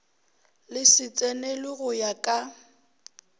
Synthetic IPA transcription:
lɪsɪt͡sʼɛnɛlɪɣʊjakʼa

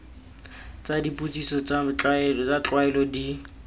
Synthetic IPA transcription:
t͡sʼadipʼut͡sʼisɔt͡sʼat͡ɬat͡sat͡ɬʼwaɛlɔdi

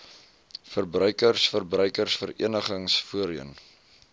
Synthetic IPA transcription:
fərbrœɥkərsfərbrœɥkərsfəɾḭənəχəŋsfuəɾiən

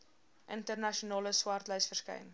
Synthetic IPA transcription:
ʔəntərnɐʃiunɑːləswɐrtlœjsfərskɛ̰jn

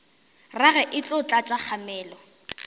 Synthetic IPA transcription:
raɣɛʔɪt͡ɬʼʊt͡ɬʼat͡ʃʼak͡xʰamɛːlɔ

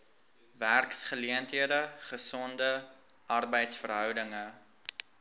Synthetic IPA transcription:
værksχəliəntɦiədəχəsɔndə | ɐrbəjtsfərɦœwdəŋə

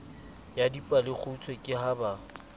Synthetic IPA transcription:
jadipʼalɪk͡xʰʊt͡sʰwekʼɪɦaba

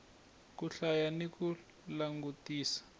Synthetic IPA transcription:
kuɬajaniku | laŋɡutiːsḁ

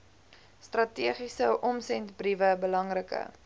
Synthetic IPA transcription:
strɐtiəχisəʔɔmsɛntbrivəbəlɐŋrəkə̰

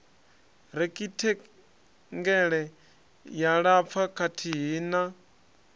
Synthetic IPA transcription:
ɾɛkʼitʰɛ | ŋɡɛɺɛ | jaɺap̪fʰakʰatʰiɦiːna

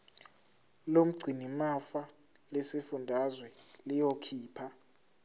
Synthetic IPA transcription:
lom̩ɡ͡ǀʱinimafa | lɛsefundʱazwɛlijokʰiːpʰa

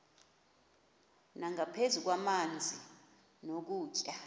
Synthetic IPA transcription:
naŋʱapʰezuk̬wamand͡zʱi | nok̬uːt͡ʃʼa

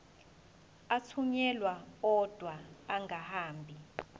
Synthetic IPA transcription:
at͡sʰuɲɛlwaɔd̥ʱwaːŋʱahaːmbʱi

